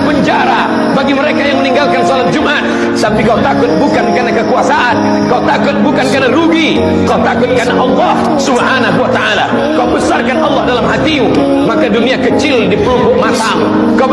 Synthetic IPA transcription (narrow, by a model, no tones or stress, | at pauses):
pəɲd͡ʒaɾa | baɡiməɾekajaŋməniŋɡalkansɔlat̪̚d͡ʒumʔat̪̚ | t̪apikalut̪akʊt̪̚bukankarnakəkuasaʔan | kalut̪akʊt̪̚bukankarnaɾuɡi | kalut̪akʊt̪̚karnaʔɑlːɑh | subhanaɦuwat̪aʔala | kaubəsarkanʔɑlːɑhdalamɦat̪imu | makaduniakət͡ʃɪldipəlumbʊʔmat̪am | kaw